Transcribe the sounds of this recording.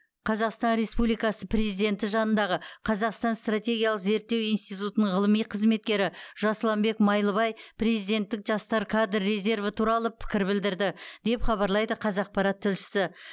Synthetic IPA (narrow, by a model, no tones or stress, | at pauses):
qʰɑzɑqst̪ɑnɾe̞spublijkɑsəpre̞zijd̪e̞nt̪ɪʒɑnənd̪ɑʁəqʰɑzɑqst̪ɑnst̪rat̪ʲe̞ɡʲijɑlˠəqze̞ɾt̪ːe̞wijnst̪ijt̪ut̪ənəɴʁəlˠəmijqʰəzme̞t̪̚kʲe̞ɾɪʒ̥ɑslˠɑmbe̞kmɑjlˠəβɑjpre̞zijd̪e̞nt̪ːɪkʒɑst̪ɑɾkʰad̪rːe̞ze̞rvət̪ʰuɾɑlˠəpʰɪ̥kʲɪɾbɪld̪ɪɾd̪ɪd̪e̞pχɑβɑɾlˠɑjd̪əqʰɑzɑq̚pɑɾɑt̪ʰːɪlʃɪ̥sɪ